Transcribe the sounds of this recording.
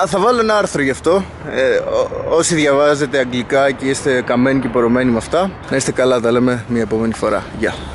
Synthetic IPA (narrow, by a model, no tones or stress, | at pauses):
θɐvɐlo̞enɐɐɾθɾo̞ʝɐft̪o̞ | o̞siðʝɐvɐze̞t̪e̞ɐŋɡlikɐceist̪e̞kɐme̞nice̞poɾo̞me̞nimɐft̪ɐ | nɐist̪e̞kɐlɐt̪ɐle̞me̞mɲɐe̞po̞me̞nifo̞ɾɐ̰ʝɐ